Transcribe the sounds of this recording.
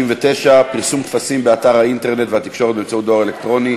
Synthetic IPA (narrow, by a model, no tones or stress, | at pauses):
imvet̪eʃapiʁsumt̪fasimbeat̪aʁhaint̪e̞ʁne̞t̪vehat̪ikʃo̞ʁet̪̚bemt͡sautd̪oʁelekt̪ʁo̞ni